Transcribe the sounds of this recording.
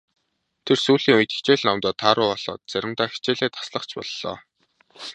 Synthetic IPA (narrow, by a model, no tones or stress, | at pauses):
t̪ʰersuːɮiːŋujt̪e̥xt͡ɕeːɮnɔmt̪ɔːt̪ʰaːɾʊːɔɮ̥ɔ̰ːt̪̚t͡sæɾʲɪ̆m̥t̪aːxi̥t͡ɕeːɮeːt̪ʰḁsɮə̆χt͡ɕpɔ̰ɮːɔ̰ː